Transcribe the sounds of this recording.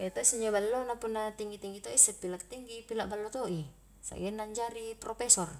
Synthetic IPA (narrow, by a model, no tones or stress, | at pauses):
ɛt̪oisuɲd͡ʒabalːonapunːat̪iŋɡit̪iŋɡit̪oisəpilak̚t̪iŋɡipilaʔbalːot̪oʔi | sa̰ɡɛnːaɲd͡ʒaɾipɾɔpɛsɔr